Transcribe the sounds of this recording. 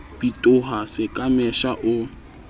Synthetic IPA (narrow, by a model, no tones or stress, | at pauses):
b̥itʼʊɦasɪkʼamɛʃaʔʊ